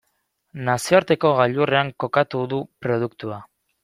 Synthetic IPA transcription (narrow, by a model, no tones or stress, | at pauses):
nasioaɾt̪e̞ko̞ɣaʎure̞aŋko̞kat̪uðupɾo̞ð̞ukt̪ua